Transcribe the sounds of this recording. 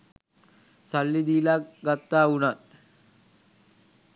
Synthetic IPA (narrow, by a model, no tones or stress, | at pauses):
salːid̪iːlakɡat̪ːaːunat̪̚